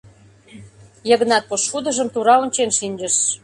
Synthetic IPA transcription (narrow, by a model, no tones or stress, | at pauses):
jə̆ɣə̆nɑt̪̚poʃud̪ə̆ʒə̆mt̪uɾɑonʲt͡ɕenʃinʲd͡ʑəʃ